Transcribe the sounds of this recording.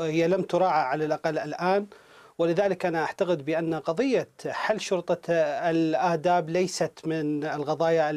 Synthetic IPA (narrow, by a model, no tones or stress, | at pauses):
hɪjːalamt̪ʊɾˤɑːʕaʕalalʔaqalːʔɪlʔaːn | wɪlɪðaːlɪkʔanaʔaʕt̪aɣɪd̪bɪʔanːaqɑðˤɨjːaħalːʃʊɾt̪ˤɑɪlʔaːd̪aːblajsat̪mɪnɪlɣɑðˤɑːja